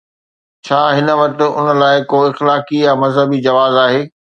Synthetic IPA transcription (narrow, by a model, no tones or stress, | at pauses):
t͡ɕʰaːɦɪnə̆ʋɐk̚t̪ʊ̆ʊ̰nə̆laːɪkoːɪxlaːkijamɐzɦəbid͡ʑɐʋaːzaːɦeː